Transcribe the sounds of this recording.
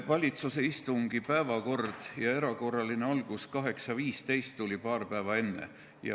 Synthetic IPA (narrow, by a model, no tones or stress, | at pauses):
vɑlʲit̪suse̞ist̪uŋɡ̥ipæevɑko̞rd̪̥jɑe̞ɾɑko̞rːɑlineɑlɡ̥uskɑɦe̞ksɑviːst̪e̞jst̪ːulʲipɑːrpæevɑe̞nːe̞̰ | jɑ̰